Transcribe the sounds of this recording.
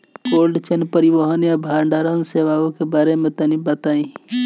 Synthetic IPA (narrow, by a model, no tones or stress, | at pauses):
koːlɖt͡ʃənpəɾɪʋəɦənjabʱaːɾɳɖaːɾənseːʋaːõkebaːɾemẽt̪ənibət̪aːĩ